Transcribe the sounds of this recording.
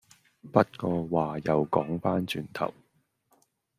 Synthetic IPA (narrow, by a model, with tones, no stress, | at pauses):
pɐ˥t̚kɔː˧waː˨jɐ˨wkɔː˨˥ŋfaː˥nt͡ʃyː˨˩nt̪ʰɐ̰˨˩w